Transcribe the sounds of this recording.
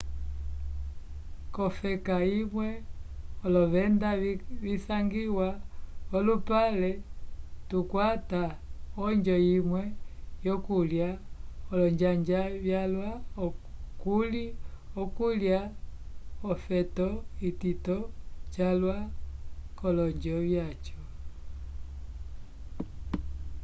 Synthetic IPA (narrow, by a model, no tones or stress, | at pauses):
kɔfɛkaimwɛ | ɔlɔβɛndaβisaŋɡiwaɔlupalɛ | tukwataɔɲd͡ʒɔjimwɛjɔkuljaɔlɔɲd͡ʒaɲd͡ʒaβjalwaɔkuliɔkulja | ɔfɛtɔititɔt͡ʃalwa | kɔlɔɲd͡ʒɔβjat͡ʃɔ